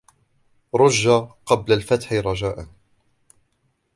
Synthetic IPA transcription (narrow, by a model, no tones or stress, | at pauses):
ɾˤʊʒːaqɑblalfat̪ħɪɾˤɑd͡ʒaːʔan